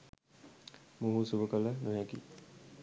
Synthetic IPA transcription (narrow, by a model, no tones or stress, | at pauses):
muɦusuʋəkələnujaɡi